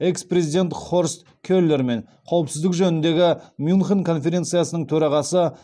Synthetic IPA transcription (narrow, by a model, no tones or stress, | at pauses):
e̞kspre̞zid̪ʲe̞nt̪χo̞ɾst̪ | kʲʰølːe̞ɾme̞ɴ | qʰɑwəpsɪzd̪ɪkʒɵnɪnd̪e̞ɡʲɪmjunχənkʰo̞nfe̞ɾʲe̞nt̪sɨjasənəɴt̪ʰɵɾɑʁɑsə